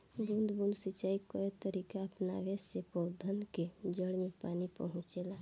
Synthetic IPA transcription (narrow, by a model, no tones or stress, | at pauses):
bũnd̪ʱbũnd̪sit͡ʃaːikəet̪əɾikaəpna̰ʋesːepɔwd̪ʱənked͡ʒəɽmẽpaːnipəɦʊ̃t͡ʃela